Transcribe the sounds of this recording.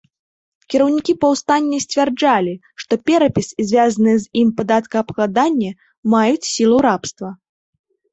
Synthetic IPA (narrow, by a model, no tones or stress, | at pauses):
kʲiɾɐwnʲikʲipɐwst̪anʲːɛsʲt͡sʲvʲɛrd͡ʐalʲi | ʂt̪ɔpʲɛɾɐpʲisizʲvʲazɐnɨjɛzimpad̪at̪kɐːpkˠad̪anʲːɛ | majut͡sʲsʲilˠuɾapst̪vɐ